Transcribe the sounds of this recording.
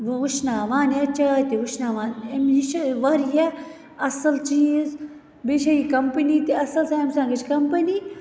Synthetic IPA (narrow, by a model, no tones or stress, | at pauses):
uʃʰnaːʋaːnɐt͡ʃaːt̪iʋuʃnaːʋaːnemjiʃʋaɾja | ɐsɐlt͡ʃiːz | beːʃaikɐmpɐniːt̪iɐsɐlsãɐmsãːŋɡət͡ʃʰkɐmpəni